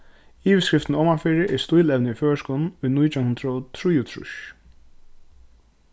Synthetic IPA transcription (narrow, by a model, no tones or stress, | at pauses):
iːʋɪskɾɪft̪nɔːmaɹfɪːɾɪʔɛst̪ʊjlɛʋnɪijføːɹskɔːn̩ʊjnujt̪ʰanhʊnt̪ɾaɔt̪ʰɾujʊt̪ʰɾʊ̰ʃ